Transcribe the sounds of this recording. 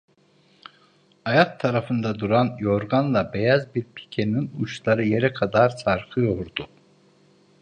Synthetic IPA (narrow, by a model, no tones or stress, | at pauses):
ajak̚t̪ʰːaɾafɯnd̪ad̪uɾanjoɾɡanlˠabejazbiɾpʰi̥cʰeninuʃlˠaɾɯje̞ɾɛkʰad̪aɾsaɾkʰɯjoɾd̪u